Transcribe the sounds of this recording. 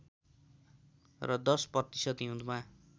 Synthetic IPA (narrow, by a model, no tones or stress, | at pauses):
rʌd̪ʌsprʌt̪isʌd̪ɦũd̪ma